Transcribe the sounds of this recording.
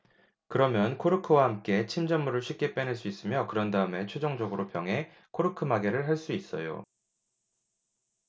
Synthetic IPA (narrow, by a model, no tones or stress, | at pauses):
kɯɾʌmjʌnkʰoɾɯkʰɯwahamk͈e̞t͡ɕʰimd͡ʑʌmːuɾɯɭɕʰɥik͈̚e̞p͈eneɭs͈uis͈ɯmjʌkɯɾʌndaɯme̞t͡ɕʰwed͡ʑoŋd͡ʑʌɡɯɾopjʌŋɦe̞ | kʰoɾɯkʰɯmaɡe̞ɾɯɭɦaɭs͈uis͈ʌ̰jo̰